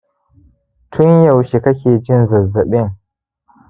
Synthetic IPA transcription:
tʰʊ˦njɐ˨wʃi˨kɐ˦kʲeː˨d͡ʒɪ˦nzɐ˨zɐ˨ɓɪ˦ŋ

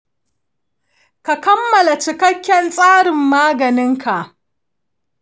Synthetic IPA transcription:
ka˨kɐ˦mːɐ˨la˨t͡ʃɪ˨kɐ˦kʲːɛ˨nsʼaː˦ɽɪ˨mːaː˦ɡɐ˨nɪ˦ŋkʰa˨ʔ

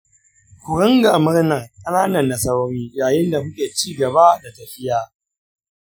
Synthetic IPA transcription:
kʷʊ˨ɾɪ˦ŋɡa˨mɪ˦ɾnɐ˨ŋkʼɐ˦naː˦nɐ˨nːɐ˨sɐ˦wɾiː˦jaː˨jɪ˦nda˨kʊ˦kʲeː˨t͡ʃiː˦ɡɐ˨ba˦da˨tɐ˨ɸɪ˦jaː˨

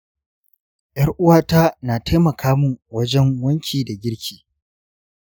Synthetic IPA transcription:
jʔɐ˦rʔʊ˦waː˦ta˦naː˨ta˦jmɐ˨kʰaː˦mʊ˨wɐ˦d͡ʒɛ˦ŋwɐ˦ŋkʲʰiː˨da˨ɡʲɪ˦ɽkʲʰiː˨

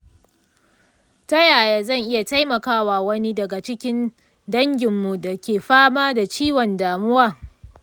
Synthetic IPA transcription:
tɐ˦jaː˨jaː˨zɐ˦˨ŋʔɪ˦ja˨ta˦jmɐ˨kaː˦waː˨wɐ˦ni˦dɐ˨ɡa˨t͡ʃɪ˦kʲɪ˦n | dɐ˦ŋɡʲɪ˨mːu˨da˨kʲeː˨ɸaː˦maː˦da˨t͡ʃiː˦wɔ˨ndaː˨mʊ˦waː˦

